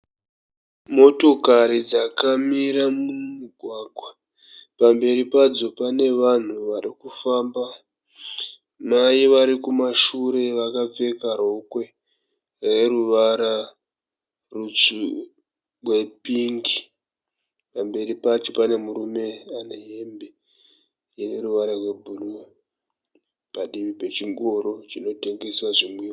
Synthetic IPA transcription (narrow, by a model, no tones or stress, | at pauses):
mo̞to̞kaɾid͡zakamiɾamummiɡʱwaɡʱwa | pambe̞ɾipad͡zo̞pane̞ʋan̤uʋaɾikufaːmba | maiʋaɾikumaʃuɾe̞ʋakap͡fe̞kaɾ̤o̞kwe̞ | re̞ruʋaɾa | rut͡su | we̞piŋɡi | pambe̞ɾipat͡ʃepane̞muɾume̞ane̞ɦembe̞ | jeneɾuʋaɾarwe̞bʱulu | paɗiʋipe̞t͡ʃiŋɡo̞ɾo̞t͡ʃino̞te̞ŋɡe̞swaʐimwiːo